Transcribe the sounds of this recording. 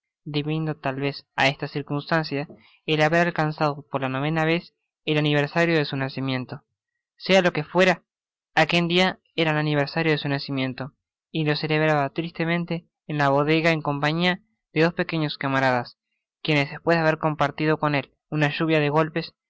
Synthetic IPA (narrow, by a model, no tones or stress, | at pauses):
d̪iβind̪ot̪alβe̞sa̰e̞st̪asiɾkunst̪ansja | elaβe̞ɾalkansað̞o̞po̞ɾlano̞β̞e̞naβe̞s | elaniβ̞eɾsaɾjo̞ðe̞sunasimje̞nt̪o̞ | se̞alo̞ke̞fwe̞ɾaː | ke̞ld̪ia | eɾananiβ̞eɾsaɾjoðe̞sunasimjẽ̞nt̪o̞ | ilo̞se̞le̞βɾaβat̪ɾist̪e̞mẽ̞nt̪eː | nlaβo̞ðe̞ɣaeŋko̞mpaɲia | ðe̞ðo̞spe̞keɲoskamaɾaðas | kje̞nezðespwe̞zðeaβe̞ɾko̞mpaɾt̪iðo̞ko̞ne̞l | unaʒuβ̞jaðeɣo̞lpe̞s